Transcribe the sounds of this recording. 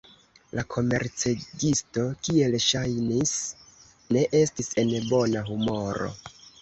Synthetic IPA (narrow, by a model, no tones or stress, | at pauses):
lakʰo̞me̞̰ɾt͡seɡisto̞kie̞lʃajnis | ne̞ʔe̞stise̞nbo̞naɦumo̞ɾo̞̰